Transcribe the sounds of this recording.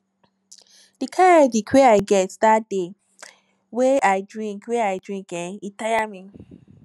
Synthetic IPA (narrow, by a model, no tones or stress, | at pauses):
d̥ikʰãavikʰweaɪɡɛtdat̚de | weaɪdɹĩŋkweaɪdɹĩŋkɛ̃nitajamĩ